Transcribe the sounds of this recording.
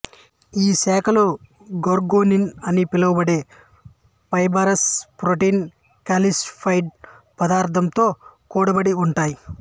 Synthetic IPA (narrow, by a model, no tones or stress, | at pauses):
iːsɛːkɐlu | ɡoɾɡoːninɐnipilɐʋɐbɐɽe̞ː | pɐjbɐːɾɐspɾoʈin | kaːlispʰɐjɖ̚ | pɐd̪aːɾt̪ʰɐmt̪o̞ːkuːɽɐbɐɽiuɳʈaːji